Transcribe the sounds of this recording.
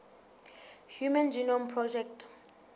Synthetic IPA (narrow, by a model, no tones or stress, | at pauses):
hjumand͡ʒinɔmpʰrɔd͡ʒɛk̚t